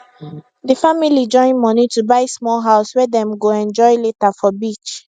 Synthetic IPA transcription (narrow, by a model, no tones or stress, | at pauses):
dəfamilid͡ʒɔ̃ɪ̃nmɔnitubaɪsmɔlɦaʊswɛdɛ̃mɡoɛ̃nd͡ʒɔɪletafɔbit͡ʃ